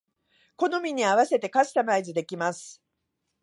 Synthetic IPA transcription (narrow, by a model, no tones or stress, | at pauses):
ko̞no̞mʲiɲ̟iaβase̞t̪e̞kaɕɨ̥t̪amaizɨd̪e̞kʲimasɨ̥